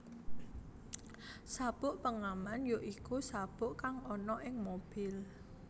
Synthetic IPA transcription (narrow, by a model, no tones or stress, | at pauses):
sab̥ʊʔpəŋamanjoʔikusab̥ʊʔkaŋɔnɔʔɪŋmob̥ɪl